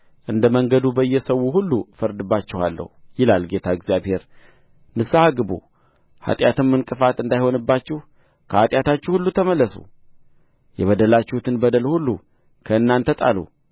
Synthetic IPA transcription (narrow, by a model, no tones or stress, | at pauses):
ʔɨnd̪əməŋɡəd̪ubəjːɛsəwuɦulːufəɾd̪ɨbːat͡ʃːɪha̰lːə̰hujɪlalɡe̞t̪ʰaɨɡzjaβhe̞ɾ | nɨsahaɡɨbṵ | ha̰t̪ʼjat̪ɨmːɨnkʼɨfat̪ɨnd̪ajho̞nɨbːat͡ʃːɪh | kʰəhat̪ʼjat̪ʰat͡ʃːuhulːut̪ʰəməlːəsṵ | jɛβəd̪əlat͡ʃːɪhut̪ʰɨnbəd̪əlhulːu | kʰəɨnːant̪ʰət̪ʼa̰lṵ